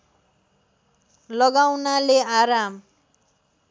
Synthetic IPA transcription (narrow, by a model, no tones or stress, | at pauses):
lʌɡawnaleaɾam